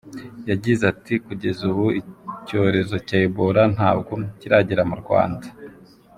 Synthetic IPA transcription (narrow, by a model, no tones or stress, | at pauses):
jaɟizatikuɟe̞zuβuico̞ːɾe̞zo̞caiβoɾan̥haːb̚ɡo̞ciɾaɟiɾamuɾɡwa̰ːnda